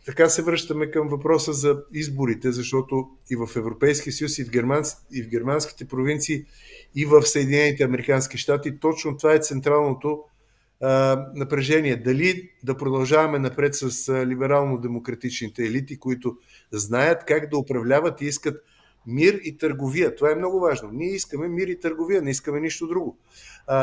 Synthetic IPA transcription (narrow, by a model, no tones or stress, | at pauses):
t̪ɐkasɛvɾɤʃt̪əmɛkəmvɐpɾɔsəzɐizboɾit̪ɛzɐʃt̪ɔt̪o | ivɐfɛvɾopɛjskiəsəjusivɡʲɛɾmaivɡʲɛɾmansk̟i̥t̪ɛpɾovint̪siː | vəfsəɛd̪inɛnit̪ɛɐmɛɾikanskiʃt̪at̪it̪ɔt͡ʃnot̪ovaɛt̪sɛnt̪ɾalˠnot̪o | nɐpɾɛʒɛniɛd̪ɐlid̪ɐpɾod̪ɐlˠʒavɐmɛnɐpɾɛt̪sɐslibɛɾalˠnod̪ɛmokɾɐt̪it͡ʃnit̪ɛːlit̪ikoit̪ʊ | znajət̪kaɡd̪ɐopɾɐvlʲavət̪iiskət̪ | miɾit̪əɾɡovijət̪ovaɛmnɔɡʊvaʒnoniɛiskəmɛmiɾit̪əɾɡovijənɛiskəmɛniʃt̪od̪ɾuɡo